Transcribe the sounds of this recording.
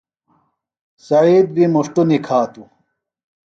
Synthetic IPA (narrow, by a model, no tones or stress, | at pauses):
sɐiːd̪̚bimuʂʈunikʰaːt̪u